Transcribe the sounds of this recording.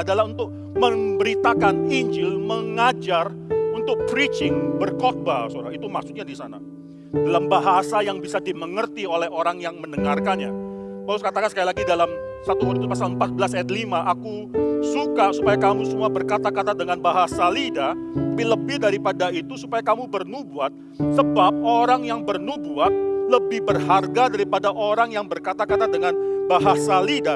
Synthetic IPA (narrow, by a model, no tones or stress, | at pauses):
adalahunt̪ʊk̚ | məmbəɾit̪akaniɲd͡ʒɪlməŋad͡ʒar | unt̪ʊk̚pɾit͡ʃɪŋbərkot̪̚basoɾait̪umaksut̪̚ɲadisana | dalambaɦasajaŋbisadiməŋərt̪iolɛhoɾaŋjaŋmənəŋarkanja | palʊskat̪akansə̥kailaɡidalam | sat̪uɦudɪt̪upasaləmpat̪̚bəlasɛt̪̚limaʔakusukasupajakamusəmuabərkat̪akat̪adəŋanbaɦasalidaapiləbɪhdaɾipadait̪usupajakamupərnubuat̪̚ | səbap̚oɾaŋjaŋpərnubuat̪̚ləbɪhbərɦarɡadaɾipadaʔoɾaŋjaŋbərkat̪akat̪adəŋanbaɦasalida